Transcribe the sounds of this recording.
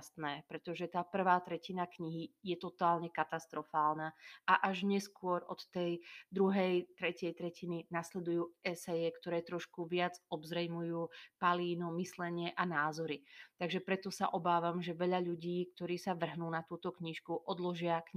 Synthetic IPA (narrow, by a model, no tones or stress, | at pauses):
st̪nɛːpɾɛt̪ɔʒɛt̪aːpr̩ʋaːt̪ɾɛcinakɲiɦijɛt̪ɔt̪aːlɲɛkat̪ast̪ɾɔfaːlnaːʔaʔaʒɲɛskʊɔɾɔ̰t̪ːɛjd̪ɾuɦɛjt̪ɾɛcɪɛjt̪ɾɛcininaslɛd̪ujuːʔɛsɛjɛkt̪ɔɾɛːt̪ɾɔʃkuʋɪad͡zɔbzɾɛjmujuːpaliːnɔmislɛɲɪɛʔanaːzɔɾit̪aɡʒɛpɾɛt̪ɔsa̰ʔɔbaːʋamʒɛʋɛʎaʎuɟiːk̚t̪ɔɾiːsaʋr̩ɦnuːnat̪uːt̪ɔkɲiʃkuʔɔd̪lɔʒɪakɲ